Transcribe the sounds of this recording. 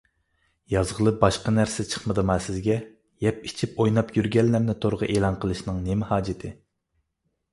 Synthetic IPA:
jɑzʁəlˠɨbɑʃqɑnæɾsɪt͡ʃʰə̥χməd̪ɨmɑsɪzɡʲɛ | jɛpi̥t͡ʃʰipojnɑpjyɾɡʲɛlːæɾnɪt̪ʰoɾʁəʔeːlˠɑnqʰəlˠɨʃnɨŋnemɪhɑːd͡ʒɪt̪ʰɪ

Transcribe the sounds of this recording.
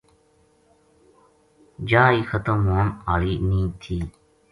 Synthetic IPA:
d͡ʒaːiːxət̪ə̃mõːmaːliːnĩːt̪ʰiː

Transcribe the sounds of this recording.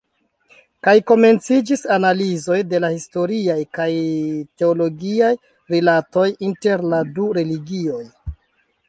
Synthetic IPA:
kajko̞me̞nt͡sid͡ʒisanalizo̞jde̞lahisto̞ɾiajkajte̞olo̞ɡiaj | ɾilato̞jinte̞ɾladuɾe̞liɡio̞j

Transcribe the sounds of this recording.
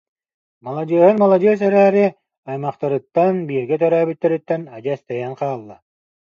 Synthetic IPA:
malˠad͡ʑɯɐɦɯnmalˠad͡ʑɯɐs̬œɾæːɾi | ajmaχt̪aɾɯt̪ːanbiːɾɡɛt̪œɾœːbyt̪ːɛɾyt̪ːɛnad͡ʑɯɛst̪ɛjɛŋqaːlˠːa

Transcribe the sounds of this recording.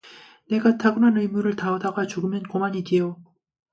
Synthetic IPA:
ne̞ɡatʰaɡɯnanɯimuɾɯɭtaodaɡat͡ɕuɡɯmjʌnkomaɲiɡijo

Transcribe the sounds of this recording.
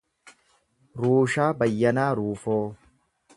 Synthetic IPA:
ɾuːʃaːbɐjːɐnaːɾuːfoː

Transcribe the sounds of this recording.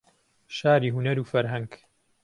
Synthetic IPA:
ʃaːɾiːɦunɐɾuːfɐɾɦɐŋɡ

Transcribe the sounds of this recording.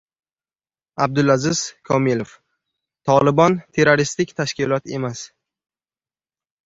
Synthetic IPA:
ab̚d̪ʊlazɪzkʰɒmilof | t̪ʰɒlˠɪbɒnt̪ʰe̞ɾoɾist̪ɪkʲt̪ʰaʃkʲɪlɒt̪e̞mas

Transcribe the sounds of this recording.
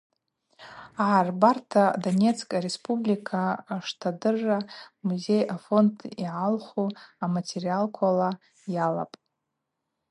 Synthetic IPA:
aʕarbartʰadonʲe̞t͡sʰkʼaɾe̞spʰʼublikʰaʂtʰadɨrːamuze̞jafo̞ndʰʼiʕalχuamatʰe̞rialkʷʰala | jala̰pʼ

